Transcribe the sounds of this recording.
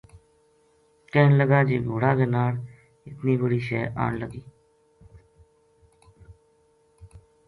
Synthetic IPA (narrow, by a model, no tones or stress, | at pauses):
kɛːɦnləɡaːd͡ʒeːɡʱoːɽaːɡenaːɽ | ɪt̪niːbəɽiːʃɛːʔa̰ːnləɡiː